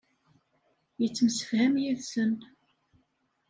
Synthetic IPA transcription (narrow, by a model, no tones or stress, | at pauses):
jət͡sːəmsə̥fhæmjiðsən